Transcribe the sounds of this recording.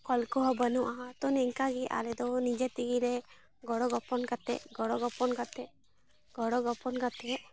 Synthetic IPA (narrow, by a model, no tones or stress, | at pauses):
kɔlkɔɦɔbənuʔaɦãt̪ɔnɛŋkaɡiʔa̰lɛd̪ɔnid͡ʒɛt̪iɡilɛ | ɡɔɽɔɡɔpɔnkat̪ɛ̰ʔɡɔɽɔɡɔpɔnkat̪ɛ | ɡɔɽɔɡɔpɔnkat̪ɛʔ